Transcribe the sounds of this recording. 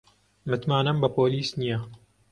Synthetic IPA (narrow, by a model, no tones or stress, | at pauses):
mɨt̪maːnɐmbɐpoːliːsnijɐ